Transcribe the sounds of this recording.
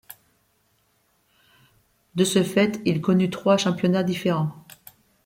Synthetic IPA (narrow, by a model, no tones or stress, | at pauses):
d̪əsəfɛt̪ilkɔnyt̪χwaʃɑ̃pjɔnad̪ifeʁɑ̃